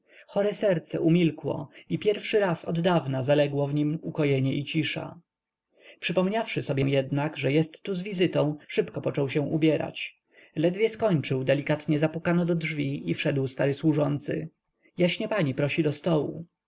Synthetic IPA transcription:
xɔɾɛsɛɾt̪sɛ̰ʔumʲilkwɔ̰ipʲjɛɾfʂɘɾasɔd̪ːavnazalɛɡwɔvɲimukɔjɛɲɛʔit͡ɕiʂa̰ | pʂɘpɔmɲafʂɘsɔbʲjɛ̃jɛd̪naɡʐɛjɛst̪ːuzvʲizɘt̪ɔ̃w̃ʂɘpkɔpɔt͡ʂɔwɕɛ̃ʔubʲjɛɾa̰t͡ɕ | lɛd̪vʲjɛskɔɲt͡ʂɘwd̪ɛlʲikat̪ɲɛzapukanɔd̪ɔdʐvʲiifʂɛd̪wst̪aɾɘswuʐɔnt̪sɘ̰ | jaɕɲɛpaɲipɾɔɕid̪ɔst̪ɔwṵ

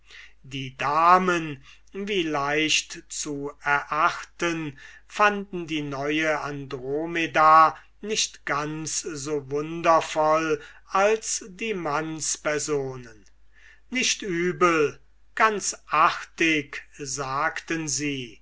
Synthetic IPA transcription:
diːdaːmən | viːlaɪʃtt͡suɛɐʔaχtən | fandn̩diːnɔʏəandʁoːmeda | nɪʃtɡ̥anszoːvʊndɐfɔlalsdiːmanspɛɐzoːnən | nɪʃtʔyːbəl | ɡ̥ant͡sʔaχtɪkzaːktənziː

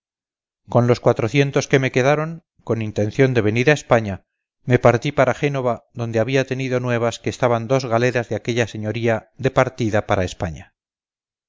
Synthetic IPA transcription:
ko̞nlo̞skwat̪ɾo̞θje̞nt̪o̞ske̞me̞ke̞ðaɾo̞ŋ | ko̞nint̪e̞nθjond̪e̞β̞e̞niɾae̞spaɲa | me̞paɾt̪ipaɾaxe̞no̞βaðo̞nd̪e̞aβiat̪e̞niðo̞nwe̞β̞askeːst̪aβand̪o̞zɣale̞ɾazðeake̞ʎase̞ɲo̞ɾiaðe̞paɾt̪iðapaɾae̞spaɲa

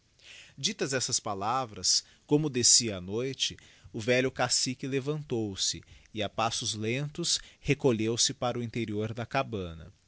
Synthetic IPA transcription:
d͡ʒit̪ɐzɛsɐspalavɾɐs | kõmʊd̪esiɐanojt͡ʃɪʊvɛʎʊkasikɪlevɐ̃nt̪owsɪɪapasʊzlẽnt̪ʊshekoʎewsɪpaɾʊĩnt̪eɾioɾd̪ɐkabɐ̃nɐ̰

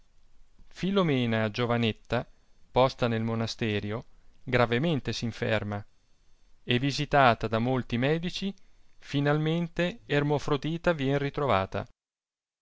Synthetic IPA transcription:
filomɛːnad͡ʒovanet̪ːapɔst̪anelmonast̪ɛːɾjoɡɾavement̪esiɱfɛ̰rma | evːizit̪aːt̪ad̪amolt̪imɛːd̪it͡ʃifinalment̪eːrmofɾod̪iːt̪avjɛnrit̪ɾovaːt̪a̰

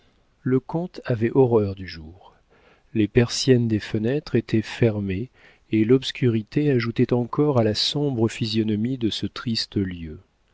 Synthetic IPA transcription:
ləkɔ̃t̪avɛʔɔʁœʁd̪yʒuːʁ | lepɛʁsjɛnd̪efənɛt̪χet̪ʰɛfɛʁme | elɔpskʲyʁit̪eaʒut̪ɛt̪ɑ̃kɔʁalasɔ̃bʁəfizjɔnɔmid̪əsət̪χist̪əljø

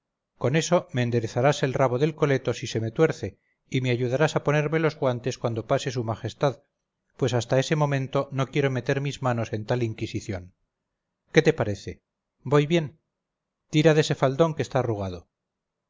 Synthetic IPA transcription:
ko̞ne̞so̞meːnd̪e̞ɾeθaɾase̞lraβoðe̞lko̞le̞t̪o̞sise̞me̞t̪we̞ɾθe̞ | ime̞aʝuðaɾasapo̞ne̞ɾme̞lo̞zɣwant̪e̞skwand̪o̞pase̞s̬umaxe̞st̪að | pwe̞sast̪ae̞se̞mõ̞mẽ̞nt̪o̞no̞kje̞ɾo̞me̞t̪e̞ɾmizmano̞se̞nt̪aliŋkisiθjo̞ŋ | ke̞t̪e̞paɾe̞θe̞ | bo̞jβje̞n | t̪iɾaðe̞se̞fald̪o̞ŋkest̪aːruɣ̞að̞o

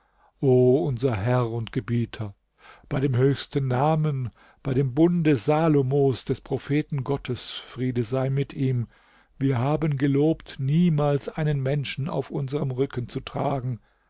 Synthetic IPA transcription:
ʔoːʊnzɐɦɛʁʊntɡ̥əbiːtʰɐ | b̥aɪɾeːmɦøːçstənːaːmən | b̥aɪdeːmbʊndəzaːlomoːsd̥ɛspʁ̥ofeːtn̩ɡɔtʰəsfʁ̥iːdəzaɪmɪtʔiːm | viːɐhaːbənɡəloːptniːmaːlsʔaɪnənmɛnʃn̩a̰ʊfʔʊnzəʁəmʁʏkənt͡sutʁ̥aːɡŋ̩

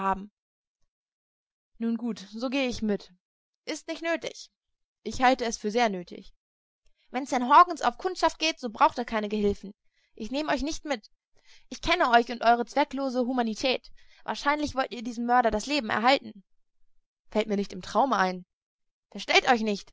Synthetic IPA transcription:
haːbm̩ | nuːnɡuːtz̥oːɡeːəɪçmɪt | ʔɪstnɪçtnøːtɪ̰ç | ʔɪçhaltəɛsfyːɐzeːɐnøːtʰɪ̰ç | vɛnsd̥ɛnɦɔɐɡŋ̩sa̰ʊfkʰʊntʃaft̚ɡ̥eːtz̥oːbʁaʊxtiːɐkʰaɪnəɡəhɪlfn̩ | ʔɪçneːməɔʏçnɪçtmɪt | ʔɪçkʰɛnəʔɔʏçʊntʔɔʏʁ̞ət͡sv̥ɛkloːzəɦuːmanitʰɛːt | v̥a̰ːɐʃaɪnlɪçv̥ɔltiːɐdiːzm̩mœɐɾɐɾasleːbm̩ɛ̰ɐɦaltn̩ | fɛltmiːɐnɪçtɪmtʁ̥aʊmaɪn | fɛɐʃtɛltɔʏçnɪçt

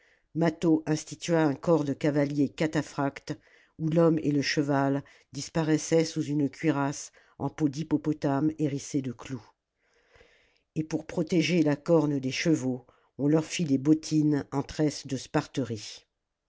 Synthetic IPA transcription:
mat̪oʔɛ̃st̪it̪ɥaɛ̃kɔʁd̪əkavaljekat̪afχakt̪ | ulɔmḛləʃəval | d̪ispaʁɛsɛsuzynkʲɥiʁas | ɑ̃pod̪ipɔpɔt̪ameʁised̪əklu | epuʁpχɔt̪eʒelakɔʁnəd̪eʃəvo | ɔ̃lœʁfilebɔt̪ʰinɑ̃t̪χɛsd̪əspaʁt̪əʁi

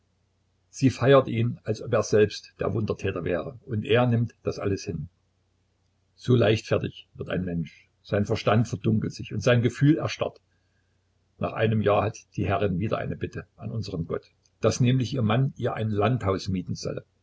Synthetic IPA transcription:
z̥iːfaɪɐtʔiːnalsʔɔpeːɐzɛlpstd̥ḛːɐvʊndɐtʰɛːtɐvɛːʁəʔʊntʔeːɐnɪmtd̥asʔa̰ləshɪn | z̥oːlaɪçtfɛɐtɪçv̥ɪɐta̰ɪnmɛnʃ | z̥aɪnfɛɐʃtantfɛɐdʊŋkl̩tz̥ɪçʊntz̥aɪnɡəfyːlɛɐʃta̰t | na̰ːχʔa̰ɪnəmjaːɐhatd̥iːhɛʁɪnviːdɐ̰ʔa̰ɪnəbɪtʰəanʔʊnzəʁəmɡɔ̰t | d̥asnɛːmlɪçʔiːɐmaniːɐʔaɪnlanthaʊsmiːtn̩z̥ɔ̰lə

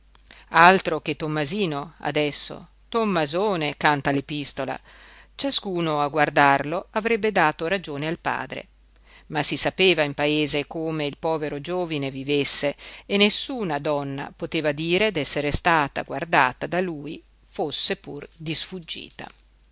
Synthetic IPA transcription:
alt̪ɾok̟et̪ːomːaziːnoa̰d̪ɛsːo̰ | t̪omːazoːnekant̪alepist̪ola̰ | t͡ʃaskuːnoaɡward̪arloavɾɛbːed̪aːt̪oɾad͡ʒoːnealpa̰ːd̪ɾḛ | masisapeːvaimpaeːzekomeilpɔːveɾod͡ʒoːvinevivesːeːnːesːuːnad̪ɔnːa̰pot̪eːvad̪iːɾed̪ɛsːeɾest̪aːt̪a̰ɡward̪a̰ːt̪ad̪aluːj | fosːepurd̪isfud͡ʒːḭːt̪a̰

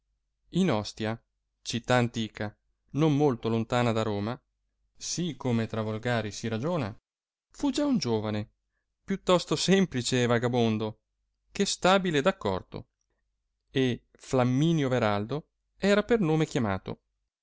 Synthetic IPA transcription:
inɔst̪ja | t͡ʃit̪ːaːnt̪iːkʰa | nomːolt̪olont̪aːnad̪aɾoːma | sikːomet̪ɾavolɡaːɾisiɾad͡ʒoːna | fud͡ʒaund͡ʒoːvane | pjut̪ːɔst̪osɛmplit͡ʃeːvaɡabond̪o | kest̪aːbiled̪akːɔ̰rt̪o̰ | e | flamːiːnjoveɾald̪o | ɛːɾapernoːmekjama̰ːt̪o̰

